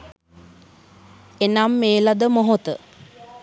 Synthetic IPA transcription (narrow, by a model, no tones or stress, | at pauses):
enamːeːlad̪əmoɦot̪ə